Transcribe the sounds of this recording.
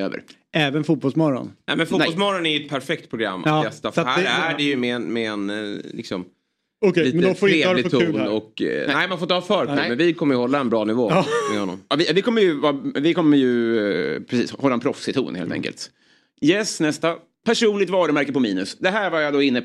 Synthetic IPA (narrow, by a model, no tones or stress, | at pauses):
ø̰ːvə̰ɾ | ɛːvənfuːt̪̚bɔlsmɔɾɔ̰nnɛ̰mɛnfunɛɔlsmɔɾɔnæɾjʏɛt̪̚pʰæɾfɛk̚t̪pʰɾʊɡɾa̰mːʔnɛst̪afhæːdɛjəmɛɛnmɛɛnlɪ̰ksɔm | ɔkliːt̪feːɪtʰuːnɔk̪ɛɪmanfoːɪt̪əhɑːfœːɾmɛnvɪkʰɔmːəjəhɔlːaɛnbɾɑːnɪvoːmɛhɔnːɔ̰mɑvɪvɪkɔmːəɾjɵvɑvɪkʰɔmːəjɵ | pʰɾɛsḭːshɔlːaɛnpʰɾɔfsɪt̪ʰṵːnhḛlt̪ɛ̰ŋkə̰lt̪ | jɛsnɛst̪a | pʰæʂuːnlɪɡ̚t̪vɑːɾəmæɾkəpɔmiːnɵsd̪ɛɦæːɾvaɾjad̪ɔɪnːə